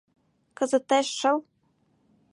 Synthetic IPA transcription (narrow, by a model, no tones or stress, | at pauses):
kɤ̆zɤ̆t̪eʃːɤ̆l